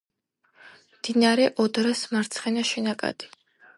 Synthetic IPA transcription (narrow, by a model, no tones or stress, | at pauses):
md̪̥inaɾɛʔɔd̪ɾasmaɾt̪sʰχɛnaʃɛnakʼa̰d̪̥i̥